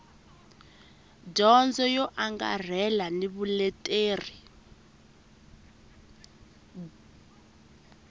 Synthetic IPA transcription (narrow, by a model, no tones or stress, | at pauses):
ɟɔnd͡zɔjɔʔaŋɡa̰r̤ɛlaniβulɛtʼeːri